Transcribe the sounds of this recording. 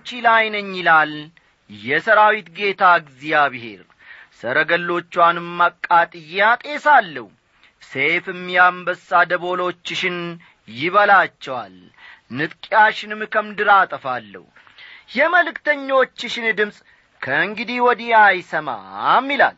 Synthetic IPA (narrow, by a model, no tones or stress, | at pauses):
t͡ʃːilajnəɲːɪlal | jɛsəɾawit̪ɡe̞t̪ʰaɡzijaβihɦe̞̰ɾ | səɾəɡəlːo̞t͡ʃːwanɨmːakʼːat̪ʼɨjːat̪ʼe̞salːə̰hu | sefɨmːjambəsːad̪əβo̞lo̞t͡ʃːɪʃɪn | jɪβəlat͡ʃːɛwa̰l | nɨt̪ʼkʼjaʃɪnɨmkʰəmd̪ɨɾat̪ʼəfalːə̰h | jɛməlɨkt̪əɲːo̞t͡ʃːɪʃɪnd̪ɨmsʼ | kʰəɨŋɡɨd̪iwɔd̪iajsəma̰mːila̰l